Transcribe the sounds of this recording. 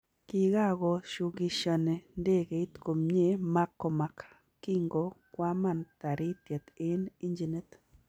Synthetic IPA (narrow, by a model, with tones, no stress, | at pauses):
ki˧ɡa˦˨ɣo˨ʃu˧ɡi˧ʃa˧˨ne˨nd̪e˦˨ɡe˨i˦t̪ko˨mɲe˦ma˦kːo˨ma˨k | ki˦ŋɡo˨kwʷa˦ma˦˨nt̪a˨ɾi˦t̪je˨t̪i˦ni˦nd͡ʒi˨ne˦t̪